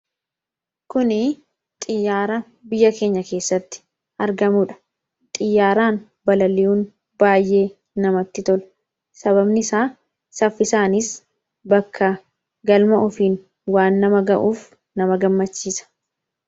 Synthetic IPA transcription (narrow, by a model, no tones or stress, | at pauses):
kʊnɪ | t̪ʼɪjːaːɾɐ | bɪjːɐke̞ːɲːɐke̞ːsːɐt̪ːɪ̥ | ʔɐɾɡɐmuːᶑɐ̥ | t̪ʼɪjːaːɾaːn | bɐlɐlɪjuːn | baːjʔe̞ː | nɐmɐt̪ːɪt̪ɔl | sɐβɐbnɪsaː | sɐfːɪsaːnɪs | bɐkʰːɐ | ɡɐlmɐʔɔfiːn | waːnːɐmɐɡɐʔuːf | nɐmɐɡɐmːɐt͡ʃːiːsɐ̥